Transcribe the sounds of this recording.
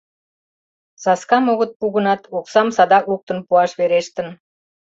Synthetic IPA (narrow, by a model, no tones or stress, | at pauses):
sɑskɑmoɣə̆t̪̚puɣənɑt̪oksɑmsɑd̪ɑkuk̚t̪ənpuɑʃβeɾeʃt̪ə̆n